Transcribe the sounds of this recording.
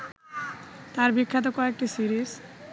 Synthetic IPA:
t̪aɾbikʰːat̪̬okɔek̚ʈisiɾis

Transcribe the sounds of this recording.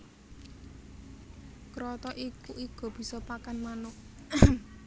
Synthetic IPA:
kɾɔt̪ɔʔikuʔiɡ̥ɔ̤b̥i̤sɔpakanmanʊʔ

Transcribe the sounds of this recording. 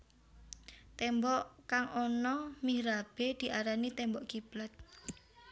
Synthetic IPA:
t̪ɛmbɔʔkaŋɔnɔmihɾab̥e̤d̪̥i̤ʔaɾanit̪ɛmbɔʔkib̥lat̪̚

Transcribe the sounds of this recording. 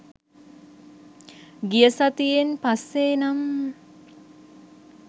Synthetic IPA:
ɡijəsat̪ijenpasːeːnam

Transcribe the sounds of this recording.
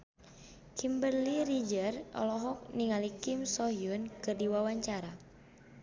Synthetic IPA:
kimbərliɾid͡ʒərɔ̰lɔɦɔk̚niŋalikimsɔɦjunkɨrdiwawaɲt͡ʃaɾa

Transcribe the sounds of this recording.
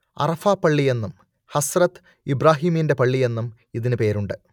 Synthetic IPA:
ɐ̰rɐfaːpɐɭːije̞nːum | hɐsrɐt̪ | ibɾaːɦiːminde̞pɐɭːije̞nːum | iðinɨpe̞ːɾuɳɖɨ

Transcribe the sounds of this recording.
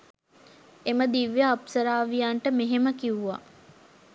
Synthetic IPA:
eməd̪iʋjaːpsəɾaːʋijaɳʈəmeɦeməkiʋuʋa̰

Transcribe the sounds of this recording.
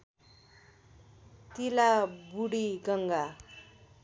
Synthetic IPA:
t̪ilabuɽiɡʌŋɡa

